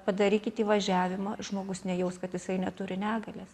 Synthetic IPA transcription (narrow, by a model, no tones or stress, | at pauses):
pɐd̪ɐɾʲiːkʲɪt̪ʲiːʋɐʒʲæːʋʲɪmɐʒmoːɡʊsnʲɛjɛʊskɐt̪jɪsɐɪnʲɛt̪ʊɾʲɪnʲæːɡɐlʲɛs